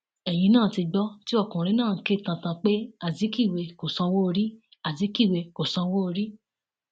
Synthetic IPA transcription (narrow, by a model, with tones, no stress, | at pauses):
ɛ˨j̃ĩ˧nãː˦˨ti˧ɡ͡bɔ˦ti˦ɔ˦˨kũ˨ɾ̃ĩ˧˦nãː˦˨˦ke˦˨tã˨˧tã˧k͡pe˦a˦˨zi˨˦ki˦˨we˧ko˨sã˧wo˦o˧ɾi˦ | a˦˨zi˨˦ki˦˨we˧ko˨sã˧wo˦o˧ɾi˦